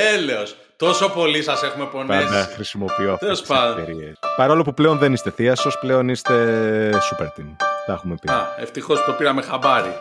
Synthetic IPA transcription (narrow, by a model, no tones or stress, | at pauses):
eleos | t̪o̞so̞po̞lisɐse̞xume̞po̞nɐenɐxɾisimo̞pioɐftelosspɐoeɾiespɐɾɐolopuple̞o̞nðe̞nist̪e̞θiɐso̞sple̞o̞nist̪e̞supeɾt̪inθɐxumepiɐeft̪ixospopiɾɐme̞xɐbɐɾḭ